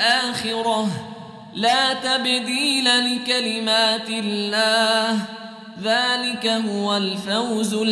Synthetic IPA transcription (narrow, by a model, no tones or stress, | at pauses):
ʔaːxɪɾɑh | laːt̪abd̪iːlalɪkalɪmaːt̪ɪlːaːh | ðaːlɪkaɦʊwalfawzʊ